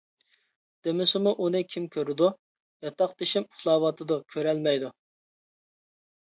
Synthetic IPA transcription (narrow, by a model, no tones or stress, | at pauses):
d̪̥emɪsɪmuʔunɨkʲʰimkʲʰøɾɪd̪u | jɑt̪ɑqd̪eʃɪmu̥χlˠɑːwɑt̪ʰɨd̪ukʲʰøɾɛlmɛjd̪u